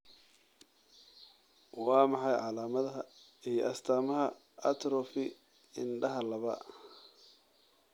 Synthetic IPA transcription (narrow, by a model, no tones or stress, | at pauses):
wɑːmɑħɑjʕɑlaːmɐðɐɦɐ | ijɞʔɐst̪ʰaːmɐɦɐ | ɐt̪ʰɾɔfɪ | ɪnɖɐɦɐlɐβɐ̰